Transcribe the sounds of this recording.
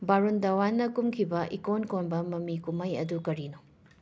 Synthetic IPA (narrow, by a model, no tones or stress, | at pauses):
baɾundɐwanːɐkumkʰibɐʔikonkonbɐmɐmikumɐjɐ̰dukɐɾino